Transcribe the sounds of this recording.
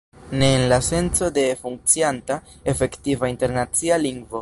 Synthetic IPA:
ne̞ːnlase̞nt͡so̞de̞fuŋk̚t͡sianta | efe̞ktivainte̞ɾnat͡sialiŋɡvo̞

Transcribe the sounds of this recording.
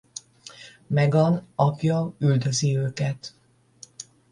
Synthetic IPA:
mɛɡɒnɒkjɒyld̪øziøːkɛt̪

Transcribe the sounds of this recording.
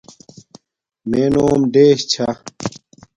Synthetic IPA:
meːnoːmɖeːɕt͡ɕʰa

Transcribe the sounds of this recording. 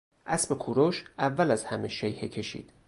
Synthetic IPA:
ʔæsmekʰuɾoʃʔævːælæzhæmeʃejhecʰe̞ʃḭːd̪̥

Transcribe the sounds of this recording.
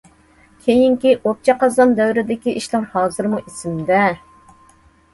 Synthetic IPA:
kʲʰejiŋkʲiʔop̚t͡ʃʰɑqɑzɑnd̪ɛwɾɪd̪ɪkʲiʔiʃlˠɨŋhɑːzɨɾmuʔisɪmd̪ɛ

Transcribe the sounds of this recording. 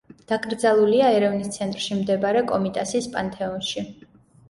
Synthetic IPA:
d̪̥akʼɾd̪zalˠuliaɛɾɛvnist̪sʰɛnt̪ʼɾʃimd̪ɛbaɾɛkʼɔmit̪ʼasiːspʼant̪ʰʼɛɔnʃi

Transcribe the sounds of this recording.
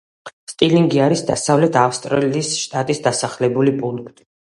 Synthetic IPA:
st̪ʼiliŋɡiaɾisd̪a̰savlɛt̪ʰafst̪ʼɾɛliːsʃt̪ʼat̪ʼisd̪asaχlɛbulipʼuŋkʰt̪ʼi̥

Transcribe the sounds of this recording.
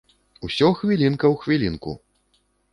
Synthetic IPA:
usʲɔxvʲilʲinkɐwxvʲilʲinkṵ

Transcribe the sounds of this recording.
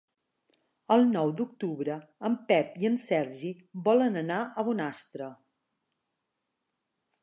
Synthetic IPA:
əlˠnɔwd̪uk̚t̪uβɾəəmpɛpiənsɛɾʒi | bɔlənənaʔəβunast̪ɾə

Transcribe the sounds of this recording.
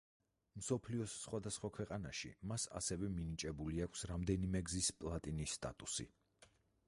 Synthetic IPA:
msɔpʰliɔsːχwad̪asχwakʰwɛqʼanaʃḭmasa̰sɛvɛminit͡ʃʼɛbuliakʷʰsɾamd̪ɛnimɛɡzispʼlˠat̪ʼinisːt̪ʼa̰t̪ʼusḭ

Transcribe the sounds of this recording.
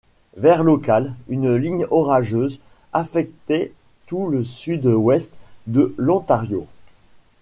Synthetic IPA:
vɛʁlɔkalynliɲɔʁaʒøːz | afɛk̚t̪ɛ | t̪uləsyd̪wɛst̪d̪əlɔ̃t̪aʁjo

